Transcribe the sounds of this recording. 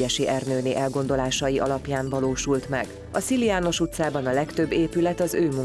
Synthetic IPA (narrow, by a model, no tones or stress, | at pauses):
ɛʃiʔɛrnøːniːʔɛlɡo̞nd̪o̞laːʃɒjiʔɒ̰lɒpjaːɱvɒloːʃult̪mɛɡ | ɒsiliaːno̞ʃut̪saːbɒnɒlɛkt̪ø̞bːeːpylɛt̪ɒzøːmu